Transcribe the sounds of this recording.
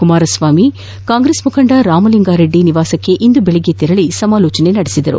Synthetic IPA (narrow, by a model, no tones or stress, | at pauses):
kumaːɾɐsʋaːmi | kaːŋɡɾeːsmukʰɐɳɖɐɾaːmɐliŋɡaːɾeɖːiniʋaːsɐkːe̞ʔind̪ubeɭɛɡet̪iɾɐɭisɐmaːloːt͡ʃɐnenɐɽisid̪ɐɾṵ